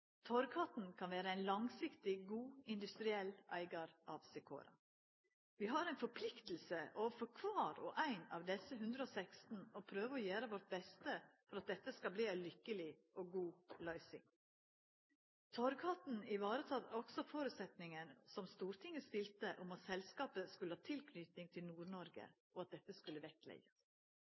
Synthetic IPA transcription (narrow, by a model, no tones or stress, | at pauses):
t̪ʰɔɾkʰɑt̪n̩kʰɑnʋæːɾəæɪnlɑŋsɪkt̪ɪɡuːɪnd̪ʉst̪ɾɪɛlʔæ̰ɪɡɑɾʔɑʋsɛkʰo̰ːɾɑ̰ | ʋɪːɦɑɾæɪnfɔpʰlɪkt̪l̩səʔoːʋəfɔɾkʰʋɑːɾɔʔæɪnɑ̰ːʋd̪ɛsəɦʉnd̪ɾəɔsækst̪n̩ɔpʰɾøːʋəɔjæːɾəʋɔɾt̪̚bɛst̪əfɔɾɑt̪̚d̪ɛt̪ːəskɑbliːæɪlʏkːəlɪʔɔɡuːlɑɪsɪ̰ŋ | t̪ʰɔɾɡhɑt̪n̩ɪʋɑːɾət̪ʰɑt̪ɔksɔfoːɾʉːt̪sɛt̪nɪŋənsɔmst̪uːɾt̪ʰɪŋːəst̪ɪlt̪əʔʊmɑt̪sɛlskɑːpəskʉlːəhɑːt̪ʰɪlkʰnʏt̪nɪŋt̪ʰɪlnuːɾnɔɾɡə̰ | ɔɑt̪̚d̪ɛt̪ːəskʉlːəʋɛklɛ̰ɡə